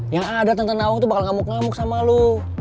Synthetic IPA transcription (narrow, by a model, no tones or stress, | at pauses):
jaŋadat̪ənt̪ənauŋt̪ubakalŋamʊk̚ŋamʊk̚samalu